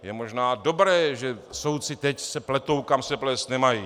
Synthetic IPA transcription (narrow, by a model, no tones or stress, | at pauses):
jɛmoʒnaːdo̞bɾɛːʒɛso̞wtt͡sɪt̪ɛcsɛplɛt̪owkamsɛplɛst̪nɛmajiː